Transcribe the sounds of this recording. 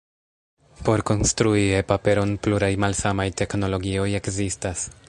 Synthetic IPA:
po̞ɾko̞nstɾuie̞pape̞ɾo̞npluɾajmalsamajte̞kno̞lo̞ɡio̞je̞kzistas

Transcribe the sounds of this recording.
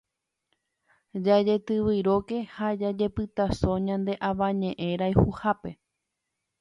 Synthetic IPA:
d͡ʒad͡ʒe̞t̪ɨʋiɾo̞ke̞had͡ʒad͡ʒe̞pɨt̪asõ̞ɲãnd̪e̞ʔaʋãɲẽ̞ʔẽ̞ɾajhuhape̞

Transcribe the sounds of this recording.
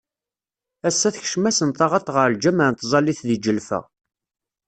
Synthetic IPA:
æsːæθç̥ʃmæsənt̪ɑʁɑt̪ˤʁəɾld͡ʒæməʕnt̪zˤɑlːiθðid͡ʒəlfæ̰

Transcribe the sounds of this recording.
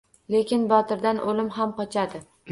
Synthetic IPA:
le̞kʲɪnbɒt̪ɪɾd̪anʔolɪmɦamqɒt͡ʃʰad̪ɪ

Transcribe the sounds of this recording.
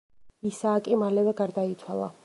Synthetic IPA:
isaːkʼimalɛvɛɡaɾd̪ait̪sʰwalˠa̰

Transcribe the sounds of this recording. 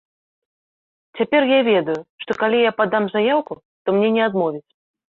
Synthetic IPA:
t͡sʲapʲɛrjavʲɛd̪ujʊʂt̪ɔkalʲijapad̪ːamzajawkʊ | t̪ɔmnʲɛnʲɛad̪mɔvʲit͡sʲ

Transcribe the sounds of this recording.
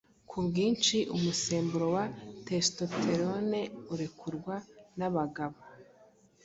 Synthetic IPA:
kʰubɡiːnt͡ʃiʔumuse̞ːmbuɾo̞watesto̞tʰe̞ɾone̞uɾekʰuɾɡwanaβaɡaβa

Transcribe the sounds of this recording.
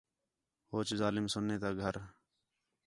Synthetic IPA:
hoːt͡ʃzaːlɪmsʊnːeːt̪aːɡʱəɾ

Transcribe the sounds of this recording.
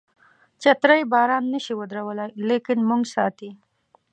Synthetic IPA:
t͡ʃɐt̪ɾajbɑːɾɑːnːəʃiwəd̪ɾawəlajlekɪnmuŋɡsɑ̰ːt̪i

